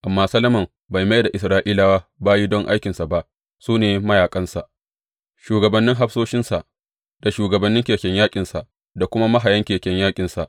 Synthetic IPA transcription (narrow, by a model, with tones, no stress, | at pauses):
ʔa˨mːaː˦sɐ˦lɐ˦mɐ˨m | ba˨jma˦jda˨ʔɪ˨sɾaː˦ʔiː˦laː˨waː˦baː˦ji˦dɔ˦ŋʔa˦jkʲɪ˨nsa˨ba˦ʔ | suː˦neː˨mɐ˦jaː˨kʼɐ˦nsa˨ʔ | ʃuː˨ɡɐ˨bɐ˨nːɪ˦ŋɦa˦ɸsoː˦ʃɪ˦nsa˨ʔ | da˨ʃuː˨ɡɐ˨bɐ˨˦nːɪ˦ŋkʲeː˨kʲɛ˦ɲjaː˦kʲʼɪ˨nsa˨ʔ | da˨kʷʊ˦ma˦ma˦ɦa˨jɐ˦ŋkʲeː˨kʲɛ˦ɲjaː˦kʲʼɪ˨nsa˨ʔ